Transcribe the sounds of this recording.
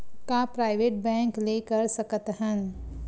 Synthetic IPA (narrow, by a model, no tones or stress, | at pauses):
kapɾaːɪʋeːʈ̚bɛ̃ːŋkleːkəɾsɐkət̪ɦən